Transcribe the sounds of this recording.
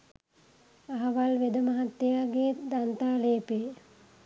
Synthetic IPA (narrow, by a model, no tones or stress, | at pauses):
aɦɐʋalʋed̪əmaɦat̪ːejaːɡed̪ant̪aːleːpe